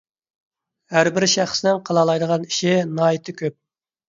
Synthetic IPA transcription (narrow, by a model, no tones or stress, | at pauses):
hæɾbɪɾʃæχsnɪŋqʰɑlˠɑlˠɑjd̪əʁɑniʃɪnɑit̪ʰɨkʲøp̚